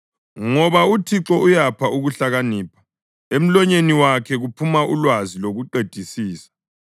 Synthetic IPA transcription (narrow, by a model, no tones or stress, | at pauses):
ŋɔβautʰiǁɔujapʰauɣuɬaɣaniːpʰḁ | em̩lɔɲeniwakʰɛɣupʰumaʔṵlwaziloɣuǃed̥ʱisiːsḁ